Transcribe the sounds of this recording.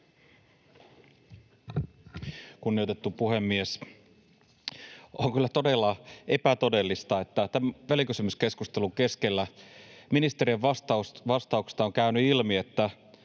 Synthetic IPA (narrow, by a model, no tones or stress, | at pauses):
kunːiot̪e̞t̪ːupuhe̞mːies | oŋkylːæt̪o̞de̞lːɑepæt̪o̞de̞lːist̪ɑet̪ːæt̪æmʋælikysymyske̞skust̪e̞luŋke̞skelːæminist̪e̞rieʋʋɑst̪ɑusʋɑst̪ɑukse̥st̪ɑoŋkæynyilmie̞t̪ːæ